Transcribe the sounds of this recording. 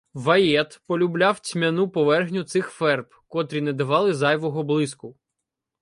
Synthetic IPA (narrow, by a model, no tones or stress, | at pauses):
ʋɐjɛt̪pɔlʲublʲɑwt͡sʲmʲɐnupɔʋɛrɣnʲʊt̪sɪxfɛrpkɔt̪ɾʲinɛd̪ɐʋɑlˠɪzɑjʋɔɦɔblˠɪskʊ